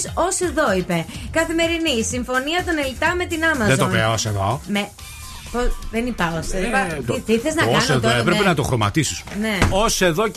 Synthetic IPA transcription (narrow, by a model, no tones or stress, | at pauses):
sose̞ðoipe̞kɐθime̞ɾinisiɱfo̞niɐt̪o̞ne̞lt̪ɐme̞t̪inɐmɐzðet̪onveɐoseðo̰me | posðenipɐosðɐt̪iθeznɐɐnseðoepɾepenɐt̪oxɾo̞mɐ̰t̪isi̥sneose̞ðo